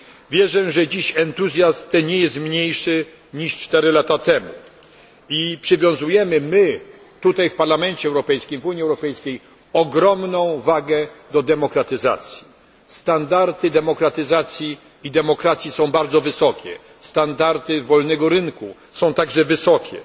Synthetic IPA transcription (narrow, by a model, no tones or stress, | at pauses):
vʲjɛʐɛʐɛd͡ʑiɕɛnt̪uzʲjasmt̪ɛɲɛjɛst̪mɲejʂɘ | ɲiʂt͡ʂt̪ɛɾɘlat̪at̪ɛmṵ | ipʂɘvʲjɔ̃w̃zujɛmɘmɘ | t̪ut̪ajfpaɾlamɛnt͡ɕɛwɾɔpɛjskʲimvuɲiɛwɾɔpɛjskʲej | ɔɡɾɔmnɔ̃w̃vaɡɛd̪ɔd̪ɛmɔkɾat̪ɘza̰t̪sʲji | st̪and̪aɾt̪ɘd̪ɛmɔkɾat̪ɘzat̪sʲji | id̪ɛmɔkɾat̪sʲjisɔ̃w̃baɾd̪zɔvɘsɔkʲɛ̰ | st̪and̪aɾt̪ɘvɔlnɛɡɔɾɘnku | sɔ̃w̃t̪aɡʐɛvɘsɔkʲɛ̰